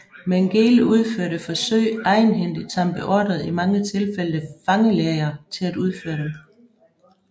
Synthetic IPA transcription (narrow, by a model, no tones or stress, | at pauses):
meŋɡ̥e̝ːluð̞ˠføɐɾ̥əfɒ̽sø̰ɪ̰ɑ̈ɪnɦen̰d̥i̥t͡sʰɑ̈mb̥əʔɒd̥ð̩ˠimɑ̈ŋət͡sʰe̝lfeləðəfɑ̈ŋəleɐt͡sʰe̝læd̥uð̞ˠføːɐdem